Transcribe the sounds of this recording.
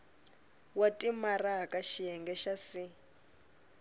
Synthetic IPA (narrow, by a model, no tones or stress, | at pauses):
watʼimaraɦakʼaʃijɛŋɡɛʃasi